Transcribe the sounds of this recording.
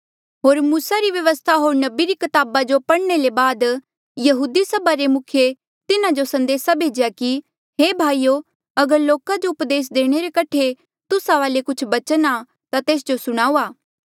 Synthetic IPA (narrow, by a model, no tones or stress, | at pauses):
ɦoːɾmuːsaɾiʋjɐʋəst̪ʰaɦoːɾnɐbiɾikɪt̪aːbad͡ʒopɐɽɳelebaːd̪ | jɐɦuːd̪isɐbaɾemʊkʰje | t̪ɪnãd͡ʒosɐ̃nd̪eːsabʱeːd͡ʒejaki | ɦeːbʱaːiːo | ɐɡəɾloːkad͡ʒoʊpd̪eːs̬d̪eːɽ̃eɾekɐʈʰe | t̪ʊsaʋaːlekʊt͡ʃʰbɐt͡ʃəna | t̪at̪eːs̬d͡ʒosʊɽ̃aːuːaː